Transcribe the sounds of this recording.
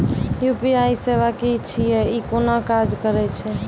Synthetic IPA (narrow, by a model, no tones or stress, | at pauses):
jupiajseʋakit͡ʃʰijɛikonakad͡ʒkəɾɛt͡ʃʰɛ